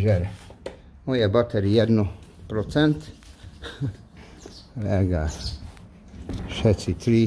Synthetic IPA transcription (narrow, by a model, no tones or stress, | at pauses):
ʒɛɾ | ojɛbɑt̪ɛɾiɛd̪nopɾot̪sɛnt̪ | lɛɡa | ʃɛt̪sit̪ɾi